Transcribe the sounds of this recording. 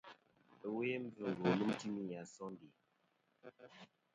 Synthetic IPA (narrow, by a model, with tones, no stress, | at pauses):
ə˨we˦m̩˦vɨ˨ŋ˨ɡo˨lu˦mti˦mi˦ja˨sɔ˦ndi˨